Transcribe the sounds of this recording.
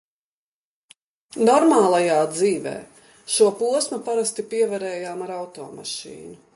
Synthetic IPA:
nɔɾmaːlˠajaːd̪ziːvɛ̰ː | ʃuɔpuɔsmɐpaɾast̪ipiɛvɛɾɛːjaːmaɾawt̪ɔ̰ːma̰ʃḭːnu

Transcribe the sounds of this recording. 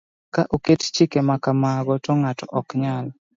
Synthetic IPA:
kaʔokett͡ʃikemakamaɡɔtɔŋatɔʔɔkɲal

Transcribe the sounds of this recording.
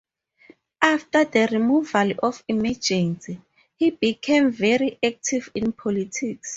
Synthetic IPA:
aftadərimuvalɔfimad͡ʒɛ̃nsi | hibikʰẽmvɛɹiʔɛk̚tʰivĩnpʰɔlitʰiks

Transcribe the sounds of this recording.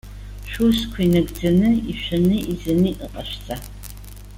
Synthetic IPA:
ʃʷuskʷʰinɐɡd͡zɐnɨiɕʷɐnɨizɐnɨːʔɨqʼɐʃt͡sʼa

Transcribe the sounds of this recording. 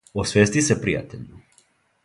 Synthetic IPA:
osʋeːst̪isepɾija̰t̪eʎu

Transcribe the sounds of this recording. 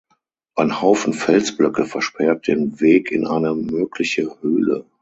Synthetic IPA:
ʔanhaʊfn̩fɛlsb̥lœkəfɛɐʃpʰɛɐt̚d̥eːnveːkɪ̰nʔa̰ɪnəmøːkʰlɪçəhøːlə̰

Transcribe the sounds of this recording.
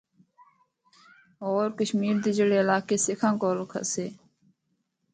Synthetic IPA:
oːɾkəʃmiːɾd̪id͡ʒəɽeːəlaːkeːsɪkʰãːkoːɾkʰə̰seː

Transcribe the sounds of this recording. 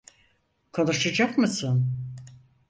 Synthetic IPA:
kʰo̞nuʃad͡ʒakmɯsɯn

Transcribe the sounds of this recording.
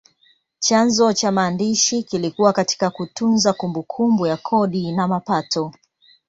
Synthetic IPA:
t͡ʃanzɔt͡ʃamaːndiʃikilikuwakati̥kakutunzakumbukʰumbujakʰɔɗinamapatʰɔ

